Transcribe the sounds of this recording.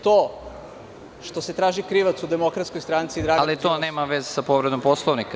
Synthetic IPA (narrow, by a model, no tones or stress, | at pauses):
t̪o | ʃt̪ose̞t̪ɾaːʒikɾiʋat̪sud̪emo̞kɾat̪skojst̪ɾant̪sid̪ɾaːɡalit̪oneːmaʋezesapoʋɾed̪o̞mposlˠoʋnika